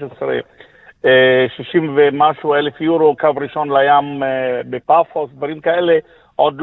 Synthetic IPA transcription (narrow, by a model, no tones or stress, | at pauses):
ʃesɾḛ | ʃiʃimvemaʃuelefjuɾokavɾiʃo̞nlajambepafosd̪vaɾimkaele | ʔod̪l